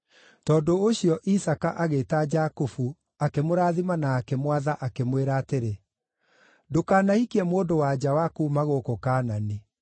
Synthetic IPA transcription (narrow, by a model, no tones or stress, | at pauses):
tɔːdooɕiɔʔisakaʔaɣetad͡ʒakofu | akemoɾaːðimanaːkɛmwaðaʔakemweɾaːteɾe | dokaːnaikiɛmoːdowad͡ʑawakuːmaɣokokaːnani